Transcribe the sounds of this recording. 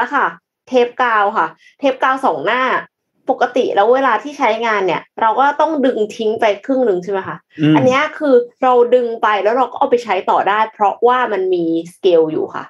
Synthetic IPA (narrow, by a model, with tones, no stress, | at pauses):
la˧˩kʰa˥˩ | t̪ʰeː˦˥p̚kaː˧wkʰa˥˩ | t̪ʰeː˦˥p̚kaː˧wsɔː˩˦ŋnaː˥˩ | po˨˩kːa˧t̪ḭ˨˩lɛː˦˥weː˧laː˧t̪ʰiː˥˩t͡ɕʰa˦˥jŋaː˧nːi˥˩ɐɾa˧wkɔː˥˩t̪ɔ˥˩ŋdɯ˧ŋt̪ʰi˦˥ŋpa˧jkʰɾɯ˥˩ŋnɯ˧ŋt͡ɕʰi˥˩ma˦˥jkʰa˥˩ʔa˧nːi˦˥ɐ˥kʰɯː˧ɾa˧wdɯ˧ŋpa˧jlɛː˦˥wɾa˧wkɔː˥ʔa˨˩pa˧jt͡ɕʰa˦˥jt̪ɔː˨˩daː˥˩jpʰɾɔ˦˥waː˥˩ma˧nmiː˧skeː˧wjṵː˨˩kʰa̰˥˩